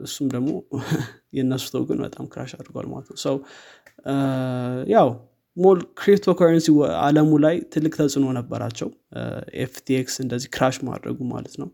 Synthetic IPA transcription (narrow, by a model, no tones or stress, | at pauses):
ʔɨsːumd̪əɡmo̞̰ | jɛnːəsu̥t̪ʰəwɡɨnbə̰t̪ʼamkɨɾaʃad̪ɾɡowa̰lma̰lət̪nəwsəw | jaw | molkɾipt̪ʰokʰoɾənsiwa̰ləmulajt̪ʰɨlːɨkʼt̪ʰəsʼɨno̞nəbːəɾa̰t͡ʃːɛw | ʔḛft̪ʰieksɨnd̪əzːihkɾaʃma̰d̪ɾə̰ɡuma̰lət̪nəw